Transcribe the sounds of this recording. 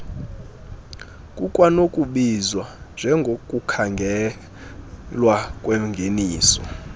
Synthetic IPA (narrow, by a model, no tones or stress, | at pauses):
kʼukʼwanokʼuɓizwand͡ʒʱɛŋɡʱokʼukʰaŋɡʱɛ | lwakʼweŋɡʱeniːsɔ̰